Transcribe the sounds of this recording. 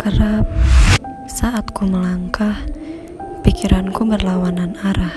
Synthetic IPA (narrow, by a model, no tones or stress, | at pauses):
kəɾap̚ | saʔat̪kuməlaŋkah | pikiɾʔankumbərlawananaɾah